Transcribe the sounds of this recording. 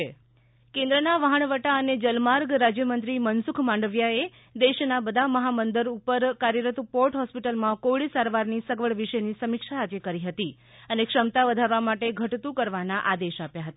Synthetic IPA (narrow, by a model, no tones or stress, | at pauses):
kẽnd̪ɾənaʋəɦəɳ̃ʋəʈaəned͡ʒəlmaɾɡɾad͡ʒjəmənt̪ɾimənsukʰmãɳɖəʋjae | d̪eʃnabəd̪ʱaməɦamənd̪əɾupəɾkaɾjəɾət̪poʈɦɔspiʈəlmãkoɭisaɾʋaɾnisəɡʋəɭʋiʃənisəmɪkʃaːd͡ʒekəɾiɦət̪i | ənekʂəmt̪aʋəd̪ʱaɾʋamaʈeɡʱəʈt̪ũkəɾʋanaʔad̪eʃapjaɦət̪a